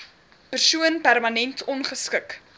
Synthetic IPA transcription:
pərsuənpærmɐnɛntʰɔnχəskək

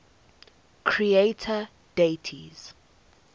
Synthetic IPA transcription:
kʰɹietʰə | detʰḭz̥

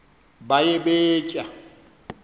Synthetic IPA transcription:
bajebeːcʼa

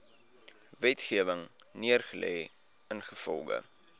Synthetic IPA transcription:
vɛtχiəvəŋniərχəlɛ̰j | ənχəfɔ̰lˠχə̰

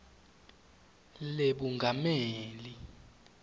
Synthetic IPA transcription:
leɓuŋɡʱameːli

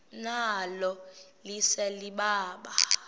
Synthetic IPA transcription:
nalɔlisɛliɓaːɓa

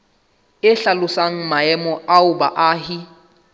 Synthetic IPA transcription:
ɪɬalʊsaŋ̩maɛmɔʔaʊba̰ʔaɦɪ

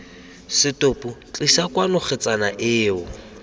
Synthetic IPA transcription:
sɪtopʼut͡ɬʼisakʼwanʊχɪt͡sʼanaʔɪːʊ

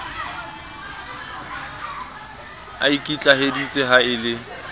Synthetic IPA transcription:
a̰ikʼit͡ɬʼaɦedit͡sʼeɦaɪlɪ

